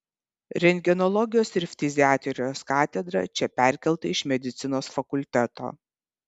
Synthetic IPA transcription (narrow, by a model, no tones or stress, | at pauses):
ɾʲɛnʲɡʲɛnɔlˠɔɡʲɪjoːsɪɾfʲt̪ʲɪzʲɪæːt̪ʲɾʲoːskɑːt̪ʲɛd̪ɾɐ̰t͡ʃʲɛpʲæˑɾʲkʲɛlˠt̪ɐɪʃmʲɛd̪ʲɪt̪sʲɪnoːsfɐkʊlʲt̪ʲæt̪o̰ː